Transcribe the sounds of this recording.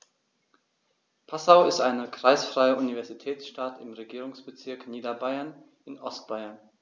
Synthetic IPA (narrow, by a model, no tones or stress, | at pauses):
pʰasaʊɪstʔaɪnəkʁ̥aɪsfʁ̥aɪəʔunivɛɐzitʰɛːt͡sʃtatɪmʁeɡiːʁʊŋsb̥ət͡sɪɐkniːdɐbaɪɐn | ɪnʔɔst̚b̥aɪɐn